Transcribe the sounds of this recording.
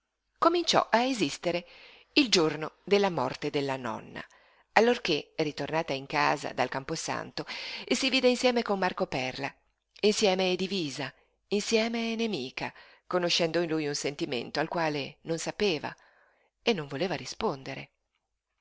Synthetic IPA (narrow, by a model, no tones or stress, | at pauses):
komint͡ʃɔ̰ʔaezist̪eɾe | ild͡ʒornod̪elːamɔrt̪ed̪elːanɔ̰nːa̰ | alːorkeɛrit̪ornaːt̪aiŋka̰ːza̰d̪alkamposa̰nt̪oesːiviːd̪einsjɛːmekonːarkopɛrla | insjɛːmed̪iviːza | insjɛːmenemiːkʰa | konoʃːɛnd̪oinlujunsent̪imḛnt̪oalkwaːlenonsapeːva̰ | enːoɱvoleːvaɾispond̪eɾe